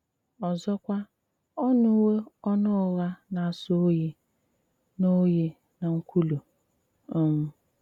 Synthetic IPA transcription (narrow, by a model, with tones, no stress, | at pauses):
ɔ˨zɔ˦kʷa˦ | ɔ˦nʊ˦we˦ɔ˦nʊ˦ʊ˨ɣa˦na˨a˨so˦je˨ | no˦je˦ | na˨ŋ̩˦kʷu˦lu˨ | m̩˦